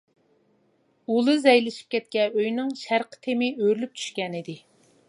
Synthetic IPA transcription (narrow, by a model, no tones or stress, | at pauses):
ulˠɨzɛjlɪʃi̥p̚kʲʰɛt̪̚kʲɛøjnɨŋʃæɾqʰə̥t̪ʰemɪøɾlyp̚t͡ʃʰy̥ʃkʲɛnɪd̪ɪ